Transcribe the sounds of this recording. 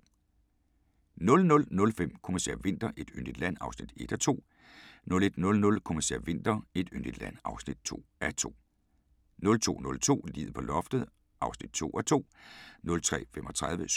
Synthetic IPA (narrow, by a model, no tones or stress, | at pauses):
nɔ̽lnɔ̽lnɔ̽lfem̰kʰɔmæsḛɐ̰ʋe̝n̰d̥ɐʔe̝d̥ønd̥id̥læn̰ɑ̈ʊsnid̥e̝d̥ɒt͡sʰo̝̰ː | nɔ̽le̝d̥nɔ̽lnɔ̽lkʰɔmæsḛɐ̰ʋe̝n̰d̥ɐe̝d̥ønd̥id̥læn̰ɑ̈ʊsnid̥̚t͡sʰo̝̰ːæt͡sʰo̝̰ː | nɔ̽lt͡sʰo̝̰ːnɔ̽lt͡sʰo̝̰ːlḭːð̩ˠpʰɒ̽lɒ̽fd̥ð̩ˠ | ʔɑ̈ʊsnid̥t͡sʰo̝̰ːʔæt͡sʰo̝̰ːnɔ̽lt͡sʰʁɛ̰ːfemʔɒ̽t͡sʰʁaðˠʋəs